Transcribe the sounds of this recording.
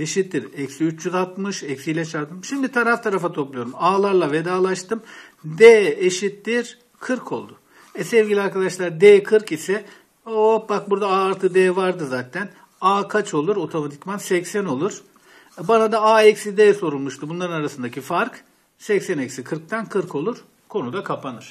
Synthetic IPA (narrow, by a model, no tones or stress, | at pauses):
eʃit̪ːiɾɛcsiyt͡ʃt͡ʃyzat̪mɯʃɛcsijlʲɛt͡ʃʰaɾt̪ʰɯmʃimd̪it̪ʰaɾaft̪ʰaɾafat̪ʰo̞plˠujo̞ɾumaːlˠaɾlˠave̞d̪aːlˠaʃt̪ɯmd̪ɛːeʃit̪ːiɾ̥ | kʰɯɾkʰo̞̰lˠd̪ʊ | ɛsɛvɟʲilʲiaɾkad̪aʃlˠaɾd̪eːkʰɯɾkisɛ | obak̚buɾd̪aaːɾt̪ʰɯd̪ɛːvaɾd̪ɯzaːt̪ʰæn | aːkʰat͡ʃʰo̞lˠuɾo̞t̪ʰo̞mat̪ʰi̥cmansɛcsæno̞lˠuɾ̥ | banad̪aaːɛcʲsid̪ɛːso̞ɾulˠmuʃt̪ʰubunlˠaɾɯnaɾasɯnd̪acʰifaɾk | sɛcsɛnɛcsikʰɯɾk̚t̪ʰænkʰɯɾkʰo̞lˠuɾ̥ | kʰo̞nud̪akʰapʰanɯɾ̥